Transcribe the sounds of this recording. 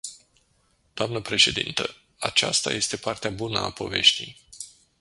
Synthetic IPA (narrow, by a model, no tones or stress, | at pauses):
d̪̥oamnəpɾe̞ʃe̞d̪ḭnt̪ə | a̰t͡ʃa̰st̪a̰je̞st̪e̞part̪eabunəapo̞ve̞ʃt̪ij